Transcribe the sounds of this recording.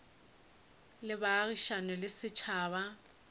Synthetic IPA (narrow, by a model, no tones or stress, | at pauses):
lɪbaːriʃanɔlɪsɪt͡ʃʰaːβa